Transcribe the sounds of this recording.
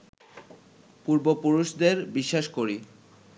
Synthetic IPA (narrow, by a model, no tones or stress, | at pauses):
puɾbopuɾuʃd̪eɾbiʃːaʃkoɾi